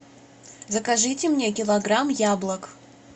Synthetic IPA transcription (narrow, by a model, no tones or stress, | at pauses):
zəkɐʐɨtʲɪmnʲekʲɪlˠɐɡɾamjablˠək